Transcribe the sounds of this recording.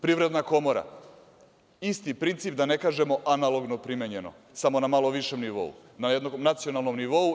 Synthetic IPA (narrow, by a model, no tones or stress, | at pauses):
pɾiʋɾe̞d̪nako̞moɾa̰ | ist̪ipɾint̪sip̚d̪ane̞kaːʒe̞mo̞ʔanalˠo̞ɡnopɾimjeɲe̞no̰ | samo̞namalo̞ʋiʃemniʋo̞̰ṵnajed̪nomnat̪sio̞nalˠno̞mniʋo̞u